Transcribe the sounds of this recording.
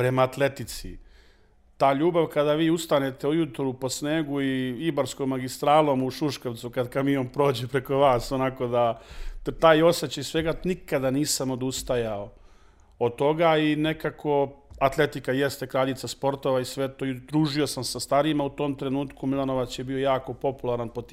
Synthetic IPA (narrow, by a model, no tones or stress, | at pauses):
pɾe̞maːt̪le̞t̪it̪sḭ | t̪aːʎuːbaʋkad̪aʋiːust̪anet̪e̞ujut̪ɾupo̞sneːɡuiibaɾskomːaɡist̪ɾaːlˠomuʃuʃkoʋt̪sukad̪kamijompɾo̞ːd͡ʑepɾe̞ko̞ʋaːso̞nako̞d̪a | t̪aːjo̞set͡ɕaisʋe̞ɡanikad̪aniːsamo̞d̪ust̪ajao | od̪̚t̪o̞ɡaine̞kakʰo̞at̪lˠe̞t̪ikajest̪e̞kɾaʎit̪saspo̞ɾt̪o̞ʋaisʋe̞t̪oːd̪ɾuːʒio̞samsast̪aɾimaut̪o̞ːmt̪ɾe̞nuːt̪kumilˠano̞ʋat͡ɕjebio̞jaːko̞po̞pulˠaɾanpot̪